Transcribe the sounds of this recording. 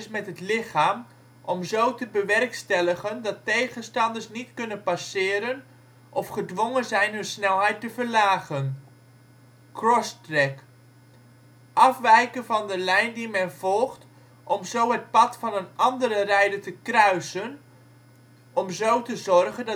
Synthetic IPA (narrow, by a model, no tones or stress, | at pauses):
smɛtɦətlɪχaːm | ʔɔmzowtəbəʋɛrkstɛləχəndɑtejχənstɑndəsnitkɵnənpasɪːɾən | ʔɔfχədʋɔŋənzɛjnɦɵnsnɛlˠɦɛjtəvərlaːχən | krɔstrɛk | ʔɑfʋɛjkənvɑndəlɛjndimɛnv̥ɔlˠχt | ʔɔmzowɦət̚pɑtfɑnənɑndəɾərɛjdətəkrœɥsən | ɔmzowtəzɔrχənd